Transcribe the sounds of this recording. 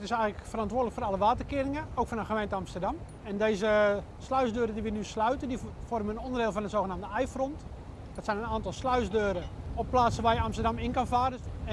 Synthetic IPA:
tɪsɛjɣələkfərɑntʋʊːrdləkfoːrɑlˠəʋaːtərkɪəɾɪŋəoːkfɔnəxəmejntəɑmstərdɑm | ɛndeːzə | slœɥzdøːɾədiʋənyslœɥtəndifɔrməənondərdɪːlˠfɔnənzoːxənaːmdəɛjfrɔnt | d̥ɔtsɛjnənaːntɑlˠslœɥzdøːɾəɔpːlaːtsəʋaːjəɑmstərdɑmɪnkɑnfaːrə

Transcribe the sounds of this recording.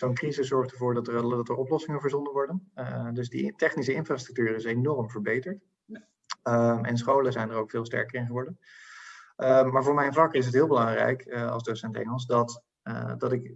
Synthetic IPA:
zownkrizəszɔɹχtəɹvʊːɹdɑtədɑtəɹɔplɔsɪŋənvəɹzɔndəʋɔɹdənədɵzdḭtɛχnisəɪnfraːstrɵk̚tyːrəɪsnenɔɹəmvəɹbejtəɹt | əmɛ̰ns̬χowləzɛjnərowkfɪːlˠstɛ̰ɹkəɹɪnχəʋɔɹdən | mːaːɹvʊːɹmɛjnvlɑkɪs̬ɦətɦɪːlˠbəlɑŋrɛ̰jkɑ̰lˠzdowsɛntɛ̰ŋəlˠsdɑt | dɑtɪk

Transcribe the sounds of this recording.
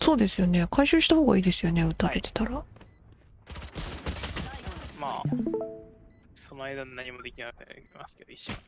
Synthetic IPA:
so̞ːd̪e̞sɨjo̞ne̞kʰaiɕɨːɕi̥t̪aho̞ːɡa̰iːd̪e̞sɨjo̞ne̞ɯ̟t̪aɾe̞t̪e̞̥t̪aɾa | ma̰ː | sonoajd̪annːaɲ̟imo̞d̪ekʲinaaima̰sɨ̥ked̪oiɕo

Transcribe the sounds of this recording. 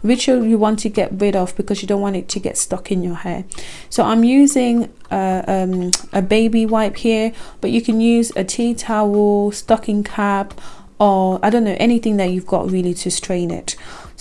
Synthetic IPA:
ɹɪt͡ʃəlˠjəwɒ̃ntʰɨɡɛ̰ʔɹɪɾɒvb̥ɨkʰʌzjɨdõʊ̃nʔwɒ̃ntɪtʰəɡɛ̰tstʌkɪ̃njəhɛː | soʊʔãɪ̃mjʉːzɪ̃ŋ | ʌəmʔəbeɪbiwaɪphiəb̥ʌt͡ʃɨkʰə̃njʉːzə̰tʰitʰaəstʌkɪ̃ŋkʰap | əaɪdõʊ̃nːoʊʔɛñɪθɪ̃ŋðət͡ʃʉvɡɒ̰ʔɹɪlˠitʰɨstɹ̥ẽɪ̃nɪ̰t

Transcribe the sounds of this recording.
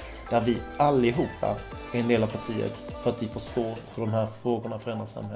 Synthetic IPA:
d̪̥æɾvɪʔalːɪɦuːpːa̰ | æɾɛnd̪eːlavpʰaʈʰiːə̰t̪fœɾat̪vɪfœʂt̪oːɾhɵɖɔmhæːɾfɾoːɡʊɳafœɾɛnd̪ɾasa̰mːhɛ

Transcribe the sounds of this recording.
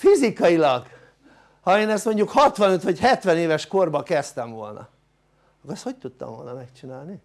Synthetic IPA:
fizikɒjilɒɡ | hɒeːnɛst̪mo̞ɲɟukhɒt̪ʋɒnøt̪ʋɒchɛt̪ʋɛneːvɛʃko̞rbɒkɛst̪ɛɱvo̞̰lnɒ̰ | ɒkoɾɛst̪hoc̚t̪ut̪ːɒ̰ɱvo̞̰lnɒmɛkt͡ʃinaːlni

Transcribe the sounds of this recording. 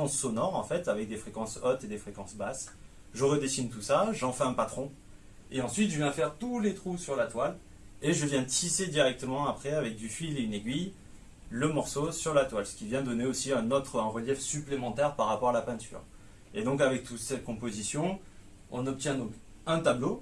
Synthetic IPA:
ɑ̃sːɔnɔʁɑ̰̃fɛt̪avɛk̚d̪efχekɑ̃sɔt̪ed̪efχekɑ̃sbas | ʒəʁəd̪esint̪usaʒɑ̃fɛɛ̃pat̪χɔ̃ | eɑ̃sɥit̪ʒəvjɛ̃fɛʁt̪ulet̪χusyʁlat̪wal | eʒəvjɛ̃t̪ised̪iʁɛk̚t̪əmɑ̃apχɛavɛk̚d̪yfileyneɡʲɥij | ləmɔʁsosyʁlat̪walsə̥kʲivjɛ̃d̪ɔneosiɛ̃nɔt̪χɛ̃ʁəljɛfsyplemɑ̃t̪ɛʁpaʁːapɔʁalapɛ̃t̪y̰ːʁ | ed̪ɔ̃k̬avɛk̚t̪ut̪sɛkɔ̃pozisjɔ̃ | ɔ̰̃nɔp̚t̪jɛ̃d̪ɔ̃k | ɛ̃t̪ablo

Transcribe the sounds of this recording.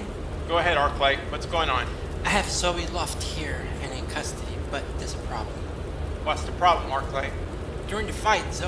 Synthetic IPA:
ɡ̥oʊəɦɛɾɑɹkʰl̥eɪwʌtsɡ̥oʊɪ̃ŋə̃n | aɪɨv̥soʊbilɔft̚hiɹ | ɨ̃nɨ̃nkʰʌstɨɾib̥ʌt̪̚ðɪsɨ̥pʰɹ̥ɑ̰blə̃m̩ | wʌtsðəpʰɹ̥ɑblə̃mɑɹkʰl̥eɪ | d̥ʊɹɪ̃ŋðɨfaɪtso

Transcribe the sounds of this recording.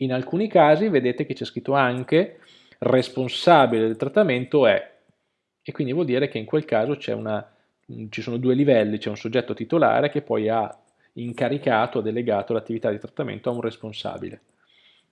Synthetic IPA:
inalkuːnikaːzived̪eːt̪ek̟et͡ʃiɛskɾit̪ːoaŋke | responsaːbiled̪elt̪ɾat̪ːament̪oɛ | ekːwind̪ivwɔld̪iːɾek̟eiŋkwelkaːzot͡ʃɛ̰ṵna | t͡ʃisoːnod̪uːelivɛlːit͡ʃɛunsod͡ʒːɛt̪ːot̪it̪ola̰ːɾek̟epːɔja | iŋkaɾikaːt̪oad̪ːeleɡaːt̪olat̪ːivit̪ad̪it̪ɾat̪ːamḛnt̪oaunresponsa̰ːbḭle

